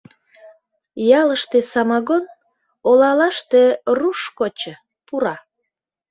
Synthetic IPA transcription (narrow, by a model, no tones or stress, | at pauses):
jɑləʃt̪esɑmɑɣon | olɑlɑʃt̪eruʃkot͡ɕə̆ | puɾɑ